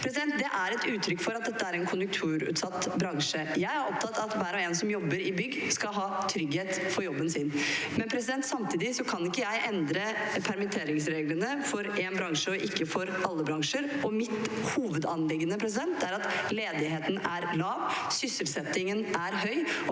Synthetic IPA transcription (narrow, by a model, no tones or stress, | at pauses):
pʰɾɛsɪd̪ɛnt̪̚d̪ɛʔæɾɛt̪ʉːt̪ʰɾʏkːfɔɾɑt̪̚d̪ɛt̪ːəæɾɛnkʰʊnjʉk̚t̪ʰʉːɾʉ̰ːt̪sɑt̪ːbɾɑŋʂəjæɪæɾɔp̚t̪ʰɑt̪ːɑt̪ʋæːɾɔeːnsɔmjɔbːəɾɪbʏɡːskɑlɦɑːt̪ʰɾʏɡheːt̪fɔɾjɔbːənsɪn | mɛnpʰɾɛsɪd̪ɛnt̪sɑmt̪ʰiːd̪ɪsɔkʰɑnɪkːəjæɪʔɛnd̪ɾə | pʰæɾmɪt̪ʰeːɾɪŋsɾeːɡlənəfɔɾɛːnbɾɑŋʂəɔʔɪkːəfɔɾʔɑlːəbɾɑŋʂəɾɔmɪt̪ | huːʋəd̪ɑnlɪɡənəpʰɾɛs̬ɪd̪ɛnt̪̚d̪ɛæɾɑt̪leːd̪ɪɦeːt̪ən̩æɾlɑːʋsʏsəlsɛt̪ːɪŋənʔæɾɦœʏ